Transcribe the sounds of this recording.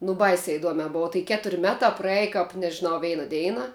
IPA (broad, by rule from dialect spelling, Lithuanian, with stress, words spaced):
nʊ ˈbɐɪsʲɛ ɪˈduɔmʲɛ ˈboːʋɐ tɐɪ ˈkʲæːtʊrʲ ˈmʲæːtɑː prɐˈæːjɪ kɐp nʲɛʒʲɪˈnɐʊ ˈʋʲɛɪnɐ ˈdʲɛɪnɐ